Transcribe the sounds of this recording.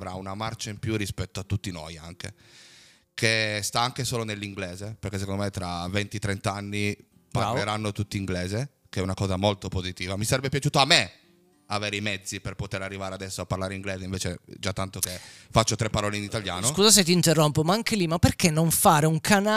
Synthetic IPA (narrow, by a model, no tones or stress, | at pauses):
vɾaunamart͡ʃaimpjurːispɛt̪ːoat̪ːut̪ːino̰ja̰ŋkḛ | kʰest̪aaŋkesoːlonelːiŋɡleːzeperkes̬ekond̪omet̪ɾavɛnt̪it̪ːɾɛnt̪aanːi | paleɾanːot̪ut̪ːiiŋɡleːze | keɛunakɔːzamolt̪opozit̪iːvamisaɾɛbːepjat͡ʃuːt̪oamːe | aveːɾeimɛd̪zːiperpot̪eɾarːivaːɾead̪ɛsːoapːarlaːɾeiŋɡleːzeiɱveːt͡ʃed͡ʒat̪ːant̪okefat͡ʃːot̪ɾɛpːaɾɔːleinit̪alja̰ːnoskuːzas̬et̪iːnt̪erːompomaaŋkelimapːerkenːoɱfaːɾeuŋkʰana